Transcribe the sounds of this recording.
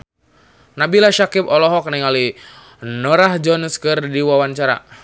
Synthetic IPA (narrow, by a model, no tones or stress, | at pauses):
nabilaʃakipɔlɔɦɔk̚niŋali | nɔɾahd͡ʒɔnskɨrdiwawant͡ʃaɾa̰